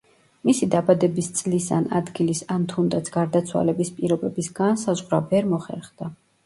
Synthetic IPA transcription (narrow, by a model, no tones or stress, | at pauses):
misid̪abad̪ɛbist̪sʼlisa̰na̰d̪ɡilisant̪ʰund̪at̪sʰɡ̥aɾd̪at̪sʰwa̰lɛbispʼiɾɔbɛbisɡ̥ansazʁɾavɛɾmɔχɛ̰ɾχd̪a